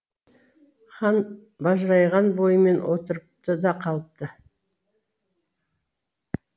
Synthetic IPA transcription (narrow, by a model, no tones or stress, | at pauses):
χɑn | bɑʒɾɑjʁɑnbo̞jəme̞nwʔo̞t̪əɾəp̚t̪əd̪ɑqʰɑlˠəp̚t̪ə